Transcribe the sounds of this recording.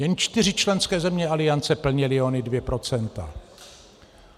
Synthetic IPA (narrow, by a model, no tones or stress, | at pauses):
jɛnt͡ʃt̪ɪr̝ɪt͡ʃlɛnskɛːzɛmɲɛalɪant͡sɛpl̩ɲɛlɪonɪdvjɛpɾo̞t͡sɛnt̪a̰